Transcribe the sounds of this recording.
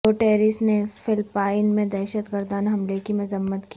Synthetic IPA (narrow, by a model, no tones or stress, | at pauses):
oːʈeːɾɪsnefɪlpaːɪnmẽd̪ɛːʃət̪ɡəɾd̪aːnɦɐmlekimʊzəmːət̪ki